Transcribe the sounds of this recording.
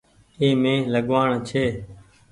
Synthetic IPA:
eːmẽːləɠʋaːɳt͡ʃʰeː

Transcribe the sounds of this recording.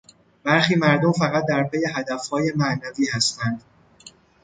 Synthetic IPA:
b̥æɾxiːmæɾd̪omfæɣæt̪̚d̪æɾpʰeje̞ɦæd̪æfhɒːje̞mæʔnæviːhæst̪ænd̪̥

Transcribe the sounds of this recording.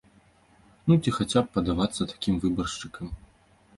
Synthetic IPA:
nut͡sʲixat͡sʲap̚ːɐd̪avat̪sːɐt̪ḁkʲimvɨbɐrʂt͡ʂɨkɐm

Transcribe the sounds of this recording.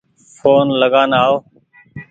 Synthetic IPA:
foːnləɡaːnaːoː

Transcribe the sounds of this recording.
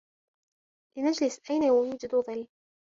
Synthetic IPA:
lɪnad͡ʒlɪsʔajnajamuːd͡ʒɪd̪uðˤɨlː

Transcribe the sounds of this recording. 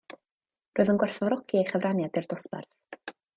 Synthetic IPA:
roɨðənɡwɛrθɔɾɔkʰiejχəvrʔanjadɪrdɔspɛ̰rθ

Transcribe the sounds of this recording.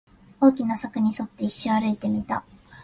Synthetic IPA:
o̞ːkʲinasakɯ̟ɲ̟iso̞t̪ːe̞iɕːoaɾɯ̟it̪e̞mʲit̪a̰

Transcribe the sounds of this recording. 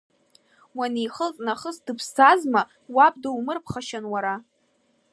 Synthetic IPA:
wanijχəltʼnaχəsdɨpʰstʰazma | wab̚ʼdaumɨrpʰχaʃanwaɾa

